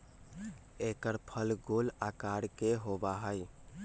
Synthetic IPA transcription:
ekəɾpʰəlɡolakaɽkeɦobaɦəj

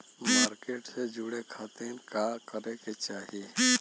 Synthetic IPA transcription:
maːɾkeːʈsed͡ʒʊɽekʰaːt̪enkakəɾẽket͡ʃaːɦie

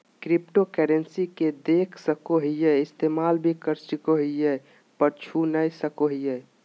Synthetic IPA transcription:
kɾipʈokɛɾensiked̪ekʰsəkoɦijɛɪst̪emalbʱikəɾsikoɦijɛ | pəɾt͡ʃʰunəjsəkoɦijɛ

